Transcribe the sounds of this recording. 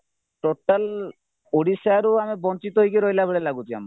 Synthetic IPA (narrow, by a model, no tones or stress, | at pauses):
ʈoʈal | oɽisaaɾuamibɔnt͡ʃit̪ɔɦojkeɾojlaboɭelaɡut̪ia̰ma